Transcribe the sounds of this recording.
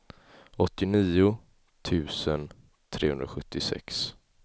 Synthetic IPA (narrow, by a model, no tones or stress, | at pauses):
ɔt̪ːɪniːʊ | t̪ʰʉ̟ːsən | t̪ʰɾḛːhɵ̰nd̪ɾaɧɵt̪ʰːɪsɛ̰ks